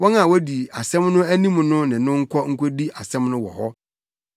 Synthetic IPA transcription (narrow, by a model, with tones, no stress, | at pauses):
wɔ̃˦nã˨wɔ˦di˨a˨sɛ̃˦mnʊ̃˦æ˦nĩ˦mʊ̃˨nʊ̃˦nɪ̃˨nʊ̃˦ŋ̩˦kʷʰɔ˦ŋ̩˦kʰo˦di˦ʔa˨sɛ̃˦mnʊ̃˦wɔ̰˨hɔ˦